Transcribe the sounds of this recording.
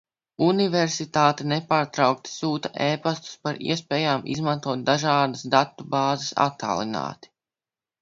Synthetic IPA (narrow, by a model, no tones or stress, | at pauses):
univɛɾsit̪aːt̪ɛnɛpaːɾt̪ɾawk̚t̪i̥suːt̪aʔeːpast̪u̥spaɾḭɛspɛːjaːmʔḭzmant̪uɔt̪̚d̪aʒaːd̪əsd̪at̪ːubaːzɐsa̰t̪ːa̰ːlˠina̰ːt̪i̥